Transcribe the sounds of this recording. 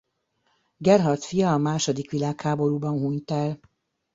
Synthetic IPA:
ɡɛrɦɒrt̪fijɒːmaːʃo̞d̪ikʋilaːkhaːbo̞ɾuːbɒnɦuːɲt̪ɛl

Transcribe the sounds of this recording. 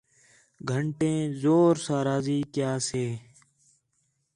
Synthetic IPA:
ɡʱəɳʈẽːzoːɾsaːɾaːziːkjaːseː

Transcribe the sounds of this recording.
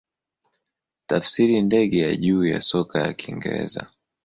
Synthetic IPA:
tafsiɾindɛɠɛjaʄuːja̰sɔkajakʰiŋɡɛ̰ɾɛ̰za

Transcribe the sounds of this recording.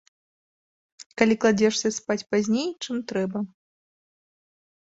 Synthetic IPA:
kalʲiklˠad͡zʲɛʂsʲɐspat͡sʲpazʲnʲejt͡ʂɨmt̪ɾɛbɐ

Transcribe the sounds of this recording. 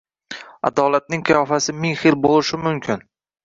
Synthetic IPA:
a̰d̪ɒlat̪̚nɪŋqʰjɒfasɪmɪŋχɪlbolˠɪʃɪmʊmkʲʰɪn

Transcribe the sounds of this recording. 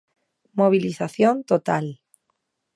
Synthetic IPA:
moβ̞iliθaθjont̪ot̪al

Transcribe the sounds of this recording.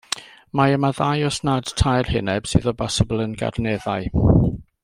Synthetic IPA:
maəmaðajɔsnad̥tʰajrhɪnɛb̥sɨðɔbɔsəblˠənɡa̰rnɛðaɨ

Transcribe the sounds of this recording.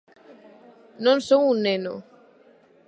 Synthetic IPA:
nɔnsɔwunɛnɔ̰

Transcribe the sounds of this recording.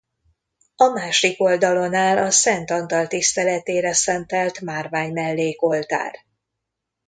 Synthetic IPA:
ɒmaːʃoiko̞ld̪ɒlo̞naːlɒsɛnt̪ɒnt̪ɒlt̪ist̪ɛlɛt̪eːɾɛsɛnt̪ɛlt̪maːrvaːɲmɛlːeːko̞lt̪a̰ːr

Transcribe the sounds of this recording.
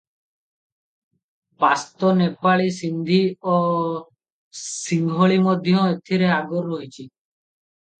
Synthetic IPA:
past̪ɔnepaɭisind̪ʱio | siŋɡʱɔɭimɔd̪ʱjɔ̃et̪ʰiɾeaɡɔɾːɔɦit͡ʃʰi

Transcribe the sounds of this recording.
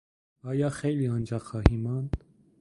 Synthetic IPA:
ɑjɑχɛjliɑnd͡ʒɑχɑhimɑn

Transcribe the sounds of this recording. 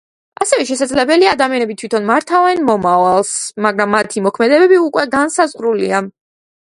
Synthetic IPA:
asɛvɛʃɛsad̪zlɛbɛliaːd̪amianɛbit̪ʰwit̪ʰɔnmaɾt̪ʰavɛnmɔmavalˠsmaɡɾamːat̪ʰimɔkʰmɛd̪ɛbɛbiukʼwɛɡansazʁɾulia

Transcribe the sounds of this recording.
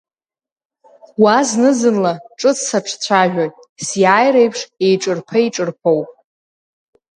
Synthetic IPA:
waznɨzɨnlaʈ͡ʂʼɨt͡sʰsaʈ͡ʂʰt͡ɕʷʰaʒᶣatʼ | sjaːjɾejpʰʂe̞jʈ͡ʂʼɨrpʰaiʈ͡ʂʼɨrpʰowpʼ

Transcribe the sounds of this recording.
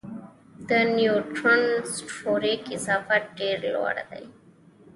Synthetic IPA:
d̪ənjuʈɾənsʈoːɾikɪzɑːfaɖeːɾlwa̰ɽd̪a̰j

